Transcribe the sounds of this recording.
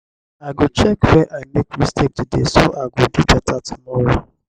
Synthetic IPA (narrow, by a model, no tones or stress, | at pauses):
aɡʊt͡ʃɛkfɛʔanekmĩstek̚didesʊʔaɡʊdud͡ʒatatʰʊmɔɾʊ